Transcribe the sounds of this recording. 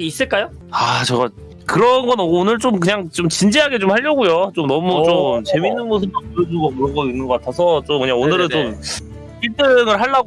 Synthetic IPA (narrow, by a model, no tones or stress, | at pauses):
is͈ɯɭk͈ajo | at͡ɕʌɡa | kɯɾʌnɡʌnoɡonɯɭt͡ɕ͈omk̬ɯɲaŋt͡ɕ͈omt͡ɕind͡ʑiɦaɡe̞t͡ɕomhaʎːʌɡojot͡ɕomnʌmut͡ɕomt͡ɕe̞minːɯnmosʰɯmtopoɾjʌd͡ʑuɡokɯɾʌŋɡʌinːɯŋɡʌkatʰasʰʌt͡ɕomkɯɲaŋonɯɾɯnt͡ɕom | iɭt͈ɯŋɯɭɦaɭːaɡ